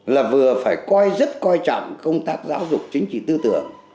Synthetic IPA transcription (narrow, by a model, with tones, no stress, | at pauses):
laː˨˩vɨ˨˩əfaː˧˩jkɔ˧jzə˦˥t̚kɔ˧jt͡ɕɔ̰˧˨ŋ͡mkə˧wŋ͡mt̪aː˦˥t̚za̰ː˨˦wzʊ˨˩k͡p̚t͡ɕï˨˦ŋ̟t͡ɕḭ˧˨t̪ɨ˧t̪ɨ̰˨˩əŋ